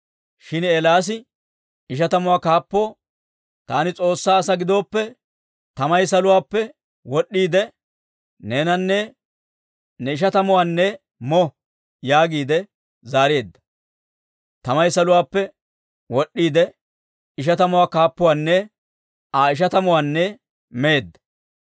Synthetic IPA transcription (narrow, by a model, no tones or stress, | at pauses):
ʃɪneːlaːs̬ɪ | ɪʃ̬ɐt̪ɐmʊwaːkaːpːo̞ː | t̪aːnɪt͡sʼo̞ːsːaːsɐɡɪd̪o̞ːpːɛ | t̪ɐmɐjsɐlʊwaːpːɛ | wɔɗːiːd̪ɛ | neːnɐnːɛ | nɛɪʃ̬ɐt̪ɐmʊwaːnːɛ | mɔ | jaːɡiːd̪ɛ | zaːɾɪjeːd̪ːɐ̥ | t̪ɐmɐjsɐlʊwaːpːɛ | wɔɗːiːd̪ɛ | ɪʃ̬ɐt̪ɐmʊwaːkaːpːʊwaːnːɛ | aːɪʃ̬ɐt̪ɐmʊwaːnːɛ | meːd̪ːɐ